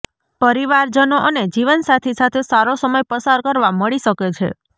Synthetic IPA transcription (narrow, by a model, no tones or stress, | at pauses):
pəɾiʋaɾd͡ʒənoʔəned͡ʒiʋənsat̪ʰesat̪ʰesaɾosəməjpəsaɾkəɾʋaməɭiʃəket͡ʃʰḛ